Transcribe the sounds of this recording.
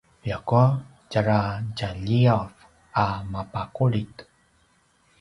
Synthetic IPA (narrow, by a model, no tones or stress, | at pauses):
jakua | d͡ʒaɾaɟaʎiav | ʔamapakuɭit̪